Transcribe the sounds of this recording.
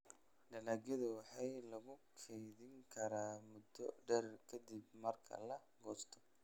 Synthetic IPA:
ɖɐnaːɡjɐðɐwɑħɑjlɐɣʊkʰɛjðɪŋkʰɐɾaːmʊd̪ɔ̰ɖɛrkʰɐd̪ɪbmɐrkʰɐ̰lɐ | ɡɔːst̪ʰɔ̥

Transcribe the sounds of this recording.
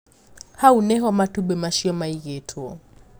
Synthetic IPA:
haunɛɦɔmatuɓɛmaʃiɔmaiɣɛtʰuɔ

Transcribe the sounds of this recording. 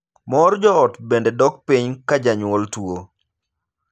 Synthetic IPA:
mɔɾd͡ʒɔɔtbendedɔk̚piɲkad͡ʒaɲwɔltwo

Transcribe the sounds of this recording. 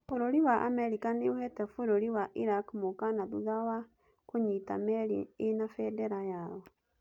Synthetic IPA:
foɾoɾiwaʔa̰mɛɾikaneohɛtɛfoɾoɾiwaʔiɾakmokanaðuðawa | koɲita̰mɛɾienafɛdɛɾajaɔ

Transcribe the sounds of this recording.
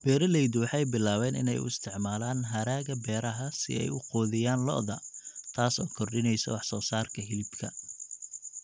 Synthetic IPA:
b̥ɛːɾɐlɛjd̪wɑħɑjbɪlaːwɛːnɪ̰nɛ̰jʊ̰ɪst̪ʰɪʕmaːlaːnɦɐɾaːɣɐbɛːɾɐɦɐsɪ̰ɛ̰jʊqɔːðɪjaːnlɔ̰ʔðɐt̪ʰaːsɔːkʰɔrɖɪnɛjsɔ̰wɑħsɔːsaːrkʰɐɦɪlɪbkʰɐ

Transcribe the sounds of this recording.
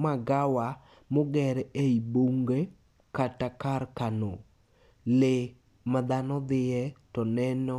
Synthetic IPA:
maɡawa | moɡɛɾeiboŋɡe | katakaɾkano | lɪ | mad̪anɔd̪ɪɛtɔnɛnɔ

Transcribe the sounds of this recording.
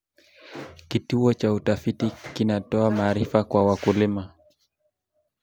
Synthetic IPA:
kituɔt͡ʃautafitikinatɔamaːɾifakwawakulima

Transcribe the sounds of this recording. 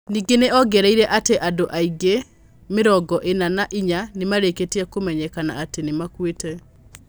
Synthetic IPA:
niːɡeneɔɡɛɾaiɾɛʔateʔadoʔaiɡe | meɾɔɡɔʔenanaʔiɲanemaɾeketeɛkomɛɲɛkana̰atenemakwetɛ

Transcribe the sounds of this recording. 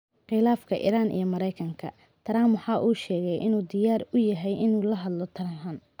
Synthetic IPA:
qɪlaːfkʰɐʔḭːɾaːnḭjɔmɐɾɛjkʰɐŋkʰɐ̰ | t̪ʰɐɾaːmwɑħɑːʔuːʃɛːɣɛjʔɪnuːd̪ɪjaːrʊjɐɦɛjʔɪnuːlɐɦɐd̪lɔt̪ʰɐɾaɦaːn

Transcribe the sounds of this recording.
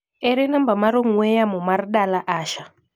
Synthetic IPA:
ɛɾinambamaɾoŋwɛjamumarɗalaʔaːʃa

